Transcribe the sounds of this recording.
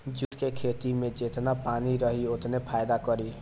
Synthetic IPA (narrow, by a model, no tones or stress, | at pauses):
d͡ʒuʈkekʰet̪imed͡ʒet̪napaniɾʌɦiot̪nepʰajd̪akʌɾi